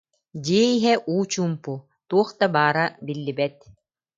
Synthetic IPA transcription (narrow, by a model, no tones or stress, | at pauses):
d͡ʑiːɛiɦɛʔuːt͡ɕuːmpu | t̪uɔχt̪abaːɾabilːibɛt̪̚